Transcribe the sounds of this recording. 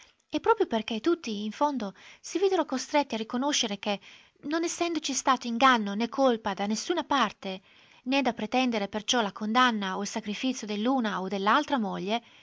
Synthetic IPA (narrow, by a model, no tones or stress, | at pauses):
ɛpːɾɔːpɾjoperk̟et̪ːut̪ːiːɱfond̪osiviːd̪eɾokost̪ɾet̪ːiarːikonoʃːeɾek̟e | nonɛsːɛnd̪ot͡ʃist̪aːt̪oiŋɡanːonekʰːolpad̪anːesːuːnapart̪e | ned̪apɾet̪ɛnd̪eɾepert͡ʃɔlakond̪anːaoilsakɾifit̪sjod̪elːuːnaod̪elːalt̪ɾamoʎːe